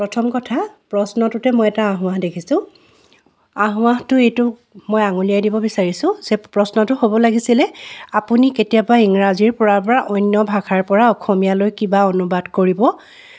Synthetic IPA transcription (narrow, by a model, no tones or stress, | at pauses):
pɹɔtʰɔmkɔtʰapɹɔsnɔtʊtɛmɔjɛtaːɦʊ̃aɦdekʰisʊ̃ | aɦʊ̃aɦtʊejtʊ | mojaŋuliajdibɔbisaɹisʊ̃zɛpɹɔsnɔtʊɦobɔlaɡisilɛapuniketijabaiŋɹaziɹpɔɹaɹpɔɹaʔɔjnːjɔbʱakʰaɹpɔɹaɔkʰɔmijalojkibaonubadkoɹibɔ